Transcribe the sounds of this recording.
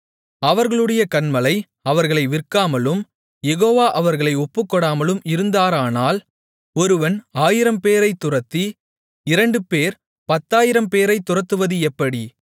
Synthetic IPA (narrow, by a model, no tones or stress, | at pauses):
ɐʋɐɾɣɐɭɯɽɐjɐkɐɳmɐlɐɪ | ɐʋɐɾɣɐɭɐɪʋɪrkːaːmɐlɯm | jɛɣoːʋaːʔɐʋɐɾɣɐɭɐɪɔpːɯkːɔɽaːmɐlɯmɪɾɯnd̪aːɾaːnaːl | ɔɾɯʋɐnaːjɪɾɐmpeːɾɐɪt̪ːʊrɐt̪ːi | ɪɾɐɳɖɯpeːɾ | pɐt̪ːaːjɪɾɐmpeːɾɐɪt̪ːʊrɐt̪ːɯʋɐðɯɛpːɐɽi